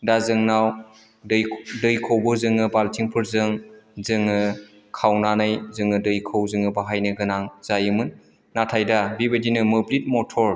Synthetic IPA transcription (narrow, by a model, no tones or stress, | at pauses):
dazɯŋnaw | ɯjdɯjkʰowbɯzɯŋɯbaltʰiŋpʰɯɾzɯŋzɯŋɯ | kʰawnanɯjzɯŋɯdɯjkʰɯwzɯŋɯbaɦajnɯɡɯnaŋz̥ajɯmɯnː | atʰajdabibɐdinɯmɯblit̚mɔtʰɔɾ